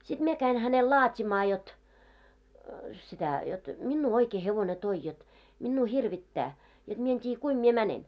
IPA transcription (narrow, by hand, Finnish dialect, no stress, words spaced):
sid̥ mie kæin hænel lɑːtʲimɑː jot sitæ jot minːuː oikeː heʋone toi jot minːuː hirʋitːæː jot mie en tʲiːj̆æ̆ kuim mie mænen